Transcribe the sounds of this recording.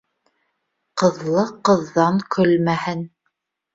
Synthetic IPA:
qɤ̆ðlˠɤqɤ̆ðːɑŋkʰɵlmæhɘn

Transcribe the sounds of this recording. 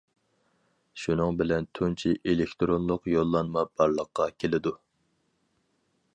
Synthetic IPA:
ʃunɨŋbɪlɛnt̪ʰunt͡ʃʰiʔelekʲt̪ɾonlˠʊqjolˠːɑnmɑb̥ɑɾlˠəqːɑkʲʰelɪd̪u

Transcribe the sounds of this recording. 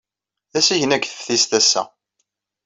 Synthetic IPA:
ðæsiʝənækʷθə̥fθist̪æsːæ̰

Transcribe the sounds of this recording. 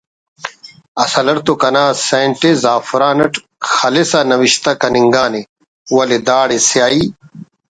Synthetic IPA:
ɐsɐlɐɾt̪okɐnaːseːɳʈezaːfɾaːnɐʈ | xɐlesɐnɐwiɕt̪ɐkɐniŋɡaːne | wɐled̪aːɽesjaːi

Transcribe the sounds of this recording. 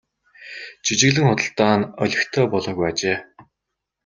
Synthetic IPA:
t͡ɕit͡ɕɪ̆ɣɮɘ̆ŋχʊt̪ə̆ɬt̪aːnœɮʲɪ̆xt̪ʰœːpɔɮɔːɣujat͡ɕeː

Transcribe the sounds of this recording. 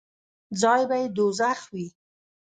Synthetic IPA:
d͡zɑjbajed̪ozaxwi

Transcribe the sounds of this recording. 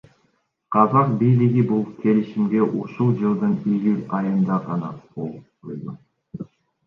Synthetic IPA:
qʰɑzɑq̚bijlɪɡibulˠkʲʰe̞lɪʃimɡe̞ʔuʃulˠd͡ʒɯlˠd̪ɯnijylʲɑjɯnd̪ɑʁɑnɑ̰bolˠup̚tojd̪ʊ

